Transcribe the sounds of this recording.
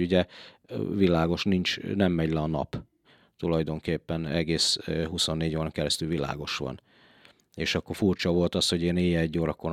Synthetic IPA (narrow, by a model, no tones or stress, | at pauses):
uɟɛ | vilaːɡo̞ʃnint͡ʃnɛmːɛɟlɛɒnɒ̰p | t̪ulɒjd̪o̞ŋkeːpːɛnɛɡeːsɦuso̞nːeːɟoːɾɒŋkɛɾɛst̪ylvila̰ːɡo̞ʃʋɒ̰n | eːʃɒkːo̞rfurt͡ʃɒvo̞lt̪ɒsho̞ɟeːneːjɛɛɟːoːɾɒkon